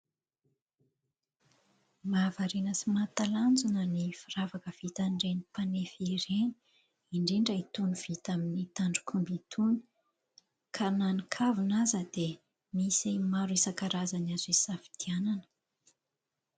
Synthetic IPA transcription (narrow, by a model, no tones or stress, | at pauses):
mavaɾenəsimat̪aland͡zunənifiravakəv̥it̪anɖ͡ʐenipanefiɾeni̥ | iɳɖ͡ʐeɳɖ͡ʐait̪unuv̥it̪aminit̪aɳɖ͡ʐu̥kʰumbit̪ʰuni̥ | kʰananikʰavunazəd̪e | misamaɾuesakaɾazanazisafi̥d̪̥iananə̥